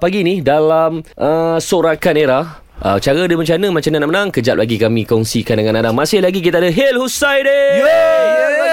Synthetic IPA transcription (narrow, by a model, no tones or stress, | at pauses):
paɡinidalamʔəsoɾakaneɾah | ə̰t͡ʃaɾədəməɲt͡ʃanəmãt͡ʃamɲanaʔmənãŋkəd͡ʒa̰p̚laɡikamĩkɔŋsikandəŋãnadamasɪhlaɡik̬it̪adəɦelhusajde